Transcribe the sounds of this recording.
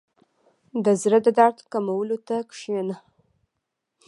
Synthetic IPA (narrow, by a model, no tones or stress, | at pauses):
dazradadartʰkamawlutʰakʰʼʂjana